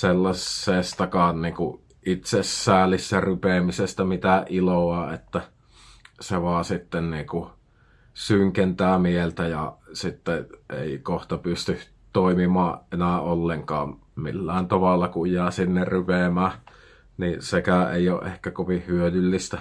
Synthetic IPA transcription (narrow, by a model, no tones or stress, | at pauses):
selːɑsːeˑst̪ɑkɑːnniːŋku | ʔit̪sesːæːlisːærypemisest̪æmit̪æʔʔiloɑːet̪ːæ | seʋɑːsit̪ːenniːku | syŋkent̪æːmielt̪æjɑsit̪ːeʔḛˑikoht̪ɑpyst̪y | t̪oˑimimɑːʔʔenæːˑolːeŋkɑ̰ːm | mḭlːæːˑent̪ɑʋɑlːɑkujjæːsinːerrypemæː | nisekæʔḛˑio̰ːʔʔehkækoʋihyølylːist̪æ